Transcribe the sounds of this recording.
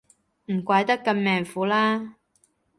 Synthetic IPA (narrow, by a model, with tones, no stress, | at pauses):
m̩˨˩kʷaː˨˥jt̪ɐ˥kːɐ˧mmɛː˨ŋfuː˨˥laː˥